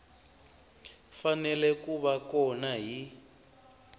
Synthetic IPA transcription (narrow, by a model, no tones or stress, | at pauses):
fanɛlɛkuβakɔnaɦi